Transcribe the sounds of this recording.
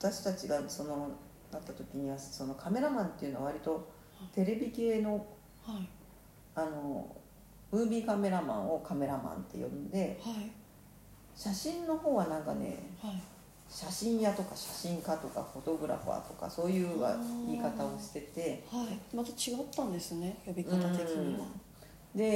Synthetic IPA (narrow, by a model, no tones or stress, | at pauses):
at̪aɕi̥t̪at͡ɕiɡaso̞no̞ | d̪at̪ːat̪o̞kʲiɲ̟iβaso̞no̞kʰame̞ɾamãnt̪e̞iɯ̟no̞aβaɾʲit̪o̞ | t̪e̞ɾe̞bʲike̞ːno̞ | h | ano̞ | ɯ̟̃ːbʲikame̞ɾamã̰ɰ̃o̞kame̞ɾamã̰nt̪e̞̰jõ̰bɯ̟nd̪e̞ha | ɕaɕĩnːo̞ho̞ːβanãŋka̰ne̞̰hai | ɕaɕĩɰ̃jat̪o̞kaɕaɕĩŋkat̪o̞ka̰ho̞t̪o̞bɯ̟ɾa̰ɸa̰t̪o̞̥ka̰so̞ːjɯ̟ːa̰mʲikat̪ao̞ɕi̥t̪e̞t̪e̞haimat̪at͡ɕiɡat̪ːãnd̪e̞sɨnejobʲiɯãt̪ae | d̪e̞